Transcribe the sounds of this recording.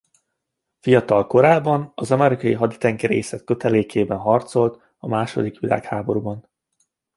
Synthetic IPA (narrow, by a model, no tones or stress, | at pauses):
fijɒt̪ɒlko̞ɾaːbːɒnɒzɒmɛɾikɒjiɦɒd̪i̥t̪ɛŋkɛɾḛːsɛt̪̚kø̞t̪ɛleːkʰeːbɛnɦɒrt̪so̞lt̪ | ɒmaːʃo̞̰d̪ikʋila̰ːkhaːbo̞ɾubɒn